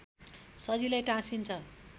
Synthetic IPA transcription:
sʌd͡zilajʈãsint͡sʰʌ

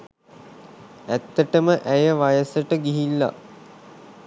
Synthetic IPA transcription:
æt̪ːəʈəməʔæjəʋajəsəʈəɡiɦilːa̰

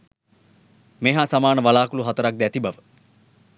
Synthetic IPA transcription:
meɦaːsamaːnəʋalaːkuluɦat̪əɾak̚d̪æt̪ibaʋə

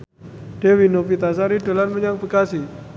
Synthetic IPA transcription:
ɖ̥ewinofit̪asaɾiɖa̤lanməɲaŋbəkasi

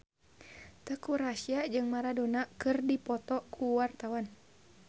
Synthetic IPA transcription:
t̪əkuɾasiad͡ʒɨŋmaɾadonakɨrdipɔt̪ɔkʰuwart̪awan

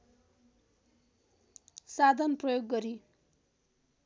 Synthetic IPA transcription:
sad̪ʱʌnprʌjoɡːʌɾi

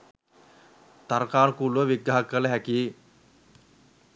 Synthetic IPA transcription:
t̪aɾkaːnəkuːlʋəʋiɡːaɦakːələɦæki

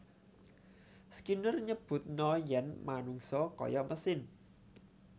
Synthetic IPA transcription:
skinərɲəb̥ʊ̤t̪̚nɔjɛnmanuŋsɔkɔ̰jɔmʔəsɪn

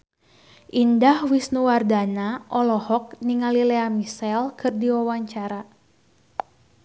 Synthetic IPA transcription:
ʔindahwisnuwardanaʔɔlɔhɔk̚niŋalileamisɛlkʰɨrdiwawaɲt͡ʃaɾa

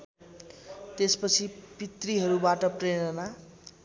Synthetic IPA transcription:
t̪espʌt͡sʰipit̪riɦʌɾubaʈʌpreɽʌna

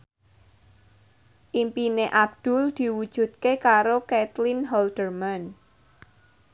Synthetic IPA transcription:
ʔimpineʔab̚d̪̥ʊ̤ld̪̥i̤wud̥ʒ̥ṳt̪̚kekaɾokɛt̪lɪnɦɔld̪̥ərman

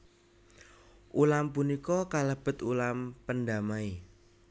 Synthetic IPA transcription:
ʔulampunikɔkaləb̥ə̤t̪ulampəndamai

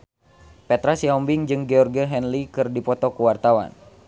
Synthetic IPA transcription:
pɛt̪ɾasiɔmbiŋd͡ʒɨŋɡɛɔrɡɛɦɛnlikɨrdipɔt̪ɔkuwart̪awa̰n

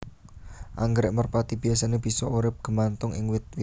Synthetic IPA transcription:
ʔaŋɡɾɪʔmərpat̪ib̥i̤asaneb̥i̤sɔuɾɪp̚ɡ̥ə̤mant̪ʊŋɪ̰ŋwɪt̪̚wɪ

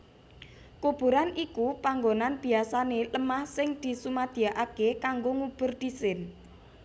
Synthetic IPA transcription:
kob̥ṳɾanikupaŋɡonanb̥i̤asaneləmahsɪŋd̪̥i̤sumad̪̥i̤aʔakekaŋɡoŋub̥ʊ̤rd̪̥isɪn

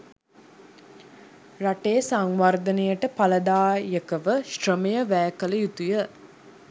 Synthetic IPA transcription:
raʈeːsaŋʋard̪ənejəʈəpaləd̪aːjəkəʋəʃrəmejəʋæːkələjut̪ujə

